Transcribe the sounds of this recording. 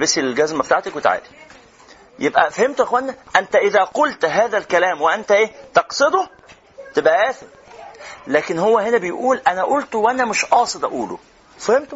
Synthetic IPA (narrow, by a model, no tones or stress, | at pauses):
besːillɡæzmæbet̪aʕt̪ækwet̪a̰ʕa̰ːd̪i̥ | jebʔæ̰fæhemt̪ʔæxwænːæʔænt̪æʔɪðæqolt̪ɦæːðælkælæːmweʔænt̪æʔeːt̪ɑqsˤed̪ˤo | t̪ebʔæʔæːθeɾ | læːkenhowːæhenæbejʔuːlʔænæʔolt̪wʔænæmɪʃʔɑːsˤed̪ˤʔæʔuːlo̰ | fæhemt̪o